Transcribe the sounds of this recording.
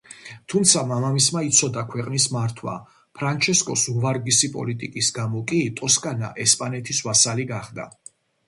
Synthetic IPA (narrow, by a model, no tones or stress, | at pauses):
t̪ʰumt̪sʰamamamismait̪sʰɔd̪akʰwɛqʼnismaɾt̪ʰwa̰ | pʰɾant͡ʃʰɛskʼɔsuvaɾɡisipʼɔ̰lit̪ʼikʼisɡamɔkʼit̪ʼɔskʼana̰ʔɛspʼanɛt̪ʰiswasaliɡaχd̪a̰